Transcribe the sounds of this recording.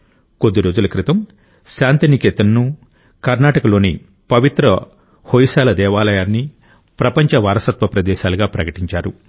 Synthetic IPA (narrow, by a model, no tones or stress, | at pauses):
ko̞d̪ːiɾo̞ːd͡ʒulɐkɾit̪ɐm | ʃaːnt̪inikeːt̪ɐnːu | kɐɾnaːʈɐkɐlo̞ːni | pɐʋit̪ɾɐ | hojiʃaːlɐd̪ɛːʋaːlɐjaːnːi | pɾɐpɐɲt͡ʃɐʋaːɾɐsɐt̪ʋɐpɾɐd̪ɛːʃaːlɐɡaːpɾɐkɐʈiɲt͡ʃaːɾu